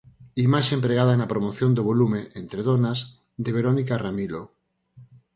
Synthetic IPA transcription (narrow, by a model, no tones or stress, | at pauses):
imaʃempɾeɣ̞aðaenapɾomoθjond̪oβ̞olumeʔent̪ɾeðonaz | ðeβ̞eɾonikaramilo